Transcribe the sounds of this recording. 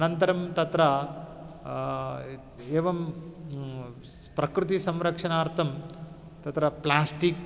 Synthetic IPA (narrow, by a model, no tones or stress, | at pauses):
ɐnɐnt̪ɐɾɐmt̪ɐt̪ɾɐ | eːʋɐm | pɾɐkɾɨt̪̬isɐmɾɐkʂɐnaːɾt̪ʰɐm | t̪ɐt̪ɾɐplaːsʈik